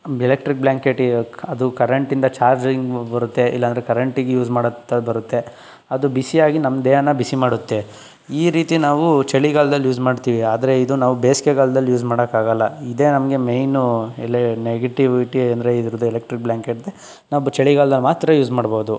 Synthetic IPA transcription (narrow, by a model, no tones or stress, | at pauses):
ɛlek̚ʈɾik̚blaːŋkeʈiɐd̪ukɐɾɐɳʈind̪ɐt͡ʃaːɾd͡ʒɾiŋɡbɐɾut̪ːeʔḭlːɐːnd̪ɾekɐɾɐɳʈiɡejuːd͡ʒmaːɽɐt̪ːebɐɾut̪ːe | ɐd̪ubisijaːɡinɐmd̪eːɐnɐbisimaːɽut̪ːe | iːɾiːt̪inaːʋut͡ʃeɭiɡaːlɐd̪ɐlːjuːd͡ʒmaːɖt̪iːʋiaːd̪ɐɾe̞id̪unaːʋubeːskeɡaːld̪ɐlːjuːd͡ʒmaːɽɐkaːɡɐlːɐid̪e̞ːnɐmɐɡe̞mejnɛleneɡeʈiʋiʈiɐnd̪ɾeid̪iɾud̪uɛlek̚ʈɾik̚bljaːŋkeʈ̚d̪e | naːʋut͡ʃeɭiɡaːlɐd̪ɐlmaːt̪ɾɐjuːd͡ʒmaːɽbo̞ːd̪u